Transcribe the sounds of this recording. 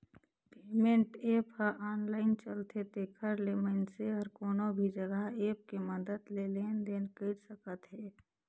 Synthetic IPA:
peːmẽɳʈeːphəʔaːnlaːɪnt͡ʃəlt̪et̪eːkʰəɾleːmənseɔɾkoːnobʱid͡ʒəɡaɦeːp̚keməd̪əd̪leleːnd̪eːnkəɾsəkət̪ɦɛː

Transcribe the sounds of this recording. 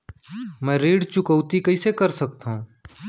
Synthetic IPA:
mɛ̃ːɾeːɽt͡ʃʊkəʊt̪ikəɪsekəɾsək̚t̪ɦũː

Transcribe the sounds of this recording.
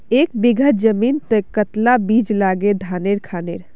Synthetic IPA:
ekbiɡʱət̪d͡ʒəmint̪əjkət̪labid͡ʒlaɡed̪ʱaneɾkʰaneɾ

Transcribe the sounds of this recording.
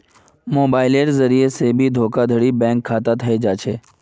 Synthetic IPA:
moːbaːɪleːɾzəɾiesebʱid̪ʱoːkad̪ʱəɽibɛ̃ːŋkʰːaːt̪at̪ʰəed͡ʒaːt͡ʃʰeː

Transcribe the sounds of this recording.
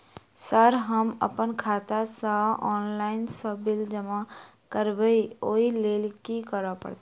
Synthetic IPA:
səɾɦəmə̰pənkʰaːt̪asaɔːnlaːɪnsəbɪld͡ʒəma | kəɾbəioːileːlkikəɾapə̰ɽt̪

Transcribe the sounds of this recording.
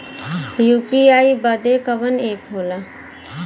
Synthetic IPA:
juːpiaːibəd̪ekəbəneːkɦoːla

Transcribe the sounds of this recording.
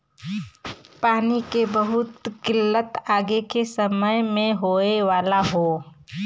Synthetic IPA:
paːnikebəɦʊt̪kɪlːət̪aːɡekesəməjmẽɦoːeʋaːlaɦoː

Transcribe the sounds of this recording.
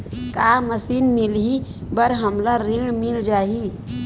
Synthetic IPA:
kaməsinmilɦibəɾɦəmlaɾiɽmild͡ʒaɦi

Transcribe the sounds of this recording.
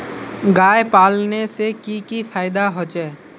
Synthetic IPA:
ɡaːjepaːlnesekikifʰaːɪd̪aɦoːt͡ʃɛː

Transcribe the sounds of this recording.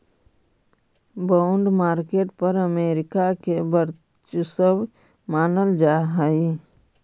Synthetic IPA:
baʊɳɖmaːɾkeːʈpəɾəmeːɾɪkakebəɾ | t͡ʃusəb | maːnəld͡ʒaɦəi

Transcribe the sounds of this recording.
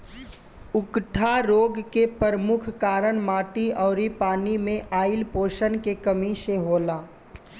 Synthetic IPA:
ʊkʈʰaɾoːɡkepəɾəmʊkʰkaːɾəɽ̃maːʈiɔːɾipaːnimẽʔaːɪlpoːʃənkekəmiʃeɦoːlaː

